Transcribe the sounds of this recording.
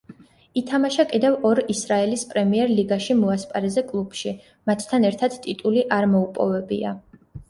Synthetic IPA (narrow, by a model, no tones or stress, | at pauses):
it̪ʰamaʃakʼid̪ɛvɔɾisɾaɛlispʼɾɛmiɛɾliɡaʃimɔaspʼaɾɛzɛkʼlˠub̥ʃi | mat̪ːʰanɛɾt̪ʰad̪̥t̪ʼit̪ʼuliʔaɾmɔupʼɔ̰vɛbḭa̰